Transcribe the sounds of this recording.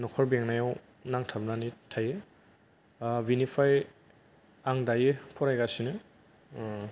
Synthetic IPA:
nɔkʰɔɾbeŋnajaw | naŋtʰap̚nanitʰaje | binipʰaj | aŋdajepʰɔɾajɡasinɯ

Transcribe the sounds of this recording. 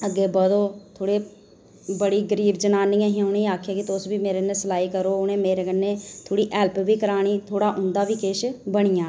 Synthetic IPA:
əɡeːbəd̪oːt̪ʰoːɽi | bəɽiɡəɾiːbd͡ʒənaːniːãːɦiãʊnẽaːkʰjakit̪oːsbʱimeːɾenesəlaːikəɾoːʊnẽːmeːɾeɡənẽt̪ʰoːɽiʔɛːlpbʱiːkəɾaːɽ̃iːt̪ʰoːɽaʔʊ̃nd̪aːbʱikeːʃbəɽ̃ɪjaː

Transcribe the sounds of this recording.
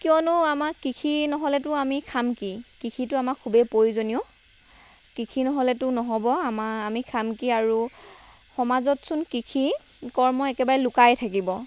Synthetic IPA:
kiɔnʊamakikʰinɔɦɔlɛtʊamikʰamkikikʰitʊamakʰːubepojzonijɔ | kikʰinɔɦɔlɛtʊnɔɦɔbɔamaamikʰamkiaɹu | xɔmazɔtsʊnkikʰi | kɔɹmɔɛkɛbaɹɛlʊkajtʰak̬ibɔ

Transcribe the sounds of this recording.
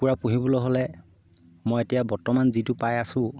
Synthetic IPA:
kuɹapuɦibɔlɔjɦolɛ | mɔjetijabɔɹtɔmanzitʊpajasʊ̃

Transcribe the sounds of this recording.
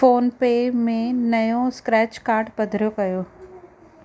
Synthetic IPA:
oːnpeːmẽnɐjõskɾɛːt͡ʃkaːɾʈpɐd̪ʱɾjokɐjoː

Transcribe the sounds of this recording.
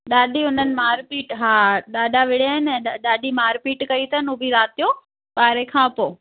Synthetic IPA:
ɗaːɗiʊn̤ənɪ̆maːɾpiːʈɦaːɗaːɗaʋɪɽ̤ijaːɦɪnɛ̃ːɗaːɗimaːɾpiːʈkɐit̪ʰɐnuːbʱiɾaːt̪ijoː | paːɾekʰãːpoː

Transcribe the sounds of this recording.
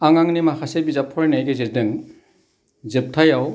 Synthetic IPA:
aŋaŋnimakʰasebizapʰɔɾnajɡeziɾdɯŋ | zɯp̚tʰajaw

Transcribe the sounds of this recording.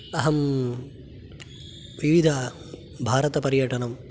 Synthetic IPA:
ɐɦɐm | ʋiʋid̪ʱɐ | bʱaːɾɐt̪ɐpɐɾjɐʈɐnɐm

